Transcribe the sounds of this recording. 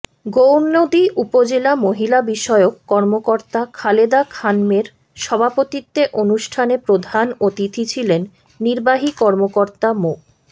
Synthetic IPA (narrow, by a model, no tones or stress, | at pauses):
ɡownːod̪iʔupod͡ʑelamoɦilabiʃɔeokːɔɾmokoɾt̪akʰaled̪akʰanmeɾ | ʃɔbʱapot̪it̪ːeʔonuʃʈʰanepɾod̪ʱanot̪it̪ʰit͡ɕʰilenː | iɾbaɦikɔɾmokoɾt̪amo